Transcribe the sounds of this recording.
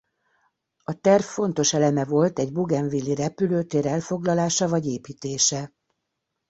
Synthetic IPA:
ɒt̪ɛrfːo̞nt̪o̞ʃɛlɛmɛvo̞lt̪ɛɟbuɡɛɱvilːiɾɛpyløːt̪eːɾɛlfo̞ɡlɒlaːʃɒvɒɟeːpiːt̪eːʃɛ

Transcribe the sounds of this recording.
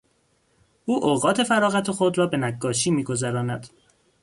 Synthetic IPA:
ʔuːʔoːɣɒːt̪ʰe̞fæɾɒːɣæt̪ʰexo̞d̪ɾɒːbe̞næɡːɒːʃiːmiːɡo̞zæɾɒːnæd̪̥

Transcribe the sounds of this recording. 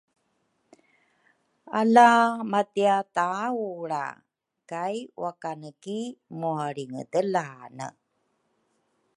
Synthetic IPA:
alamatiatawɭa̰ | kajwakanəkimuaɾiŋə̰təlanə̰

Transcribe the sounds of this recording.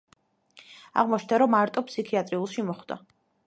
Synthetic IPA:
a̰ʁmɔt͡ʃʰnd̪aɾɔmaɾt̪ʼɔpʰsikʰiat̪ʼɾiulˠʃimɔχd̪̥a̰

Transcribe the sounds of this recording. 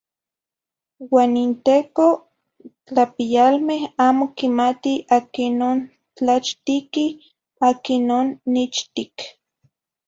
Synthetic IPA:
waːnint̪eːko | t͡ɬapijalmehaːmokimat̪iakinoːn | t͡ɬat͡ʃt̪iki | akinoːnːit͡ʃt̪ik

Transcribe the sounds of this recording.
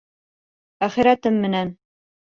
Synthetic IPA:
æχĭɾæt̪ɘmːɘ̆næn

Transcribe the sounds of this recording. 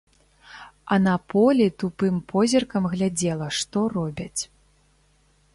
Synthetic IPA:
ɐnɐpʰɔlʲit̪upɨmpʰɔzʲirkɐmɣlʲad͡zʲɛlˠɐʂt̪ɔrɔbʲɐt͡sʲ

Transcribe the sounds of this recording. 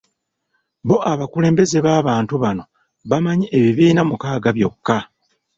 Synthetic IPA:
βo̞ʔaβakule̞ːmbe̞ze̞βaːβaːntuβano̞ | βamaɲiʔeβiβiːnamukaːɡaβjo̞kːa

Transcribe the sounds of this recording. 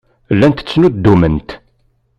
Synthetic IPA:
lːænt̪ət͡sːnud̪ːumənt̪

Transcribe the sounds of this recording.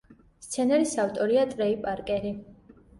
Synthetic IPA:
st̪sʰɛnɛɾisaft̪ʼɔɾiat̪ʼɾɛipʼaɾkʼɛɾi

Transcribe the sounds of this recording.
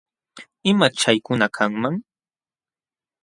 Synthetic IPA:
ɪmat͡ʃajkʊnakʰaŋmaŋ

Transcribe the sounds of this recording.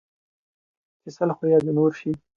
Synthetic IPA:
kɪsəlxojɑd̪inoɾʃi

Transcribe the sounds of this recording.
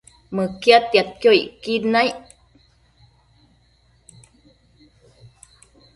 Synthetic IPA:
məkjat̪ːjat̪̚kjoiʔkid̪naj

